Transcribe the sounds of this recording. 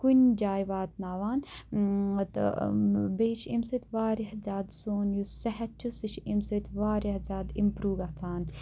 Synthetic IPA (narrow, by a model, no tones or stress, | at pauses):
kunʲd͡ʒaːjʋaːt̪̚naːʋaːn | ɐt̪ | beːt͡ʃʰimset̪ʲʋaːɾihzʲaːd̪soːnjusɐɦɐt̪̚t͡ʃʰusiʃʰimset̪ʋaːɾɐhzʲaːd̪ḭmpɾuːɡat͡sʰaːn